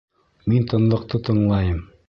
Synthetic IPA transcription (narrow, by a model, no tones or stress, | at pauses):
mint̪ɤ̆nlˠɤ̆q̚t̪ɤt̪ɤ̆ɴlˠɑjɤm